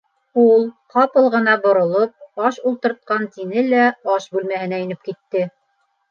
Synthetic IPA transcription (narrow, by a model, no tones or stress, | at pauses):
ulˠqɑpɤ̆lˠʁɤ̆nɑbŏɾŏlˠop̚ɑʃulˠt̪ɤ̆ɾt̪̚qɑnt̪inɘlæɑʃbʉlmæhɘ̆næɵ̆nɘp̚kit̪ːɘ